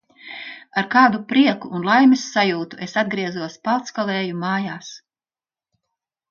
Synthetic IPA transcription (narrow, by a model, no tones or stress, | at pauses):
aɾkaːd̪upɾiɛkuːnlˠajmɛsːajuːt̪uʔesad̪̚ɡɾiɛzuɔspalˠt̪skalˠɛːjumaːjaːs